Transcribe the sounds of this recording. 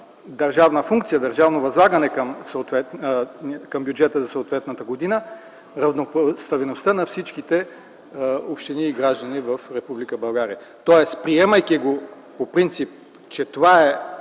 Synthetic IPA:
d̪ɐɾʒavnəfuŋkt̪sijəd̪ɐɾʒavnovɐzlˠaɡɐnɛkəmsot̪vɛt̪ | kɐmbjud͡ʒɛt̪əzɐsoːt̪vɛt̪nɐt̪əɡod̪inə | ɾɐvnopst̪ɐvinost̪ənɐfsit͡ʃkit̪ɛ | opʃt̪iniːɡɾaʒd̪ənivəfɾɛpublikəbɐlˠɡaɾiə | t̪ɔɛspɾiɛmɐjkiɡo | popɾint̪sip̚ | t͡ʃɛt̪ovaɛ

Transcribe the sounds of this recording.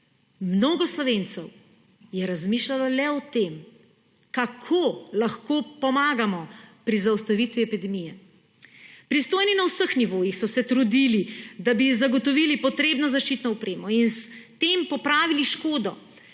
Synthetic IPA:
mnoɡɔslɔʋent̪sɛw | jɛɾazmiːʃlalɔlɛɔt̪em | kakʰolaxkopɔmaːɡamɔpɾizawst̪aʋit̪ʋiɛpid̪ɛmijɛ | pɾist̪oːjninawsəxniʋoːjixsɔsɛt̪ɾud̪ilid̪abizaɡɔt̪ɔʋilipɔt̪ɾeːbnɔzaʃt͡ʃit̪nɔɔpɾeːmɔinst̪empɔpɾaːʋiliʃkoːd̪ɔ̰

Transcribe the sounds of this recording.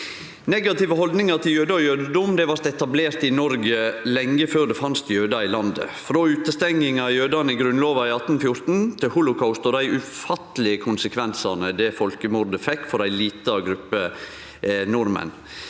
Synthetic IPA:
nɛɡɑt̪ɪʋəhɔld̪nɪŋɑɾt̪ʰɪljøːd̪əɔjøːd̪əd̪ʊmd̪ɛʋɑɾt̪ɛt̪ɑbleːɾt̪ɪnɔɾɡəlɛŋːəføːɾd̪ɛfɑnst̪jøːd̪ɑɪlɑnd̪ə̰fɾoːʉːt̪əst̪ɛŋɪŋɑjøːd̪ɑnəɪɡɾʉnloːʋɑɪɑt̪n̩fjʊɾt̪n̩t̪ʰɪhʊlʊkʰaʊst̪ɔd̪æɪʔʉfɑt̪əlɪəkʰʊnsəkʰʋɛnsɑɾnəd̪ɛfɔlkəmʊɾd̪əfɛkːfɔɾd̪æɪliːt̪əɑɡɾʉpːə | nʊɾmə̰n

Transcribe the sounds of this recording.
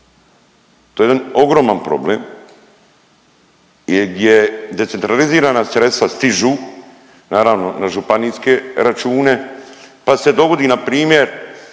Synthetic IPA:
t̪ojed̪ano̞ɡɾo̞ːmanpɾo̞̰bleːm | jɡd̪jed̪e̞t̪sent̪ɾaliziːɾaːnast̪ɾe̞sast̪iʒuː | naːɾaʋno̞naʒupaniːske̞ɾat͡ʃuːne̞pase̞d̪o̞ɡo̞d̪iːnapɾiːmjeɾ

